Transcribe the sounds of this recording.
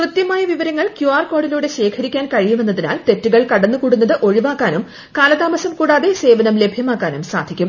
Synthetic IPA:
krɨt̪jɐmaːjɐʋiʋɐɾɐŋːɐɭkjuaːrko̞ːɽɐluːɽe̞ɕe̞ːkʰɐɾikʲːaːnkɐɻijume̞nːɐðinaːlt̪e̞tːuɣɐɭkɐɽɐnːɨkuːɽunːɐðɨʔo̞ɻiʋaːkːaːnum | kaːlɐðaːmɐsɐmkuːɽaːðe̞se̞ːʋɐnɐmle̞bʱjɐmaːkːaːnumsa̰ːd̪ʱikʲːum

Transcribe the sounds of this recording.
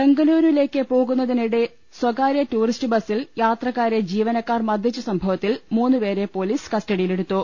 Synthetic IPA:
be̞ŋɡɐluːɾʋile̞ːkːɨpo̞ːɣunːɐðiniɽe | swɐɣaːɾjɐtuːristɨbɐsiljaːt̪rɐkːaːɾed͡ʑiːʋɐnɐkːaːrmɐd̪ʱjit͡ɕːɐsɐmbʱɐʋɐt̪ːilmuːnːɨpe̞ːɾe̞po̞ːliːskɐstɐɽijile̞ɽut̪ːo

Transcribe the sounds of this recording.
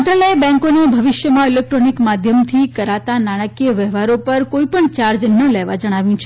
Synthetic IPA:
nt̪ɾaləebɛ̃ŋkonebʱəʋɪʃjəmãilek̚ʈɾonikmad̪ʱjəmt̪ʰikəɾat̪anaɽ̃əkiəʋɛɦʋaɾopəɾkoipəɳt͡ʃaɾd͡ʒnəleʋa̰d͡ʒəɽ̃aʋjũt͡ʃʰ

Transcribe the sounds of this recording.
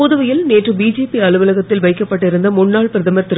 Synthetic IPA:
uːðɯʋɐjɪlneːʈrɯbiːd͡ʒeːpiɐlɯʋɐlɐɣɐt̪ːɪlʋɐɪkːɐpːɐʈːɪɾɯnd̪ɐmʊɳːaːɭpɪɾɐðɐmɐt̪ːɪɾ

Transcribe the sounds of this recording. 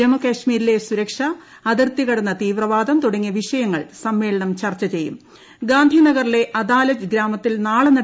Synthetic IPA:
ɐmukɐɕmiːɾile̞suɾɐkʂɐ | ɐðirt̪iɣɐɽunːɐt̪iːʋrɐʋaːd̪ɐmt̪uɽɐŋːijɐʋiʂɐjɐŋːɐɭsɐmːe̞ːɭɐɳɐmt͡ɕɐrt͡ɕːɐt͡ɕe̞jːṵm | ɡaːnd̪ʱinɐɡɐrile̞ʔɐd̪aːlɐt͡ɕɡɾaːmɐt̪ːilnaːɭɨnɐ

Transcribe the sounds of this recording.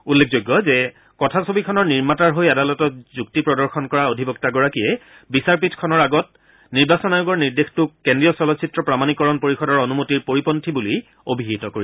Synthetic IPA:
ulːek̚ʰzojɡːɔzɛ | kɔtʰasobikʰɔnɔɹniɹmataɹɦojadalɔtɔzuk̚tipɹɔdɔɹxʰɔnkɔɹaodʱibɔk̚taɡɔɹakijɛ | bisaɹpitʰkʰɔnɔɹaɡɔt̚ | niɹbasɔnajuɡɔɹniɹdextʊkːendɹijɔsɔlɔtsʰitɹɔpɹamanikɔɹɔnpoɹixɔdɔɹonumotiɹpoɹipɔntʰibuli | obʱiɦitɔkoɹi

